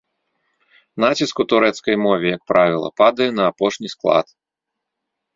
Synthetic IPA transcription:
nat͡sʲiskut̪uɾɛt̪skɐjmɔvʲɛjɐk̚pɾʔavʲilˠɐ̰pad̪ɐjɛnɐːpɔʂnʲisklˠa̰t̪

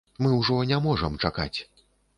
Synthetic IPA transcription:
mɨwʐɔnʲamɔʐɐmt͡ʂaka̰t͡sʲ

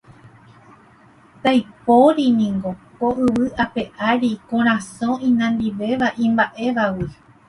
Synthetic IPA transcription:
t̪ajpoɾinĩŋɡo̞koʔɨʋɨʔape̞ʔaɾikõɾ̃ãsõĩnãnd̪iʋe̞ʋaʔĩmbaʔe̞ʋawi

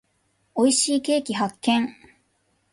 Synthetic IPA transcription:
o̞iɕiːke̞ːkʲiɦakːẽ̞ŋ

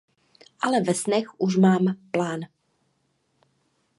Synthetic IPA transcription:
ʔalɛvɛsnɛxuʃmaːmplaːn

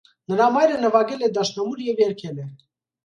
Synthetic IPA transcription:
nəɾɑmɑjɾənəvɑɡɛlɛd̪ɑʃnɑmuɾjɛvjɛɾkʰɛlɛ

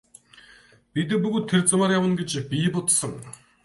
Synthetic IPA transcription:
pʲit̪̬ɘ̆puɣoːt̪ʰːert͡samaːɾjawə̆nɡet͡ɕpipʊt̪sə̆ŋ

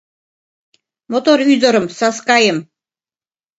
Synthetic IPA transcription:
mɔt̪ʼɔɾyd͡zɔɾəmsaskajəm

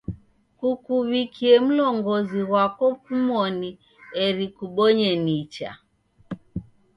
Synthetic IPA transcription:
kukuβikʰiɛm̩lɔŋɡɔziɣwakɔkumɔni | ɛɾikuɓɔɲɛnit͡ʃa̰

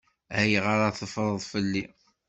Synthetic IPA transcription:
æjʁəɾaθəfɾˤəðˤfəlːi

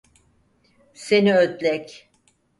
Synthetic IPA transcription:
se̞niød̪lʲɛc

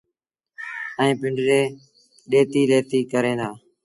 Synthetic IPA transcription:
əĩːpɪ̃ɳɖɾeː | ɗeːt̪iːleːt̪iːkəɾẽːd̪aː

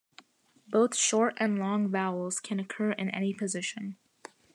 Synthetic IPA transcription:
b̥oʊθʃɔɹɾɨ̃nlɔ̃ŋvæl̩ˠz̥kʰɨ̃nɨkʰɜ˞ʔɨ̰̃nɛ̰nipʰɨzɪʃɨ̃n

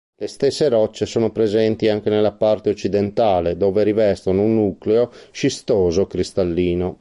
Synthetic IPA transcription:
lest̪esːeɾɔt͡ʃːesoːnopɾezɛnt̪iaŋk̟enelːapart̪eot͡ʃːid̪ent̪aːled̪oːveɾivɛst̪onounːukleot͡ʃist̪oːzokɾist̪alːiːno

